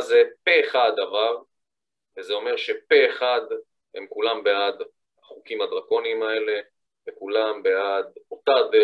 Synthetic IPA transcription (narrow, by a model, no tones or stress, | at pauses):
zepeːχad̪avaʁ | vezeo̞me̞ʁʃe̞peːχad̪ | hḛmkulambead̪ | aχukimad̪ʁakonimae̞le̞ | vekulambead̪otad̪